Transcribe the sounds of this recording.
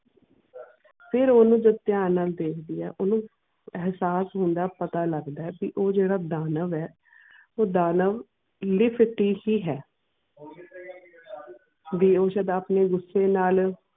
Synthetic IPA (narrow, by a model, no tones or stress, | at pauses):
pʰɪɾoːnũːd͡ʒəd̪t̪jaːnaːld̪eːkʰd̪iːɛ̰ːʔʊnũː | ɛɦsaːsɦʊ̃nd̪aːpət̪aːləɡd̪aːɛːpiʔoːd͡ʒeːɽaːd̪aːnəʋɛː | oːd̪aːnəʋ | lɪpʰʈiːhiːɦɛː | ʋiːoːʃəd̪aːpneːɡʊsːeːnaːl